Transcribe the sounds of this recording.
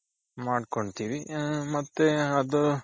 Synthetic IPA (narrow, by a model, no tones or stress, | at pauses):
maːɖkoɳɖt̪iːʋimɐt̪ːeɐd̪u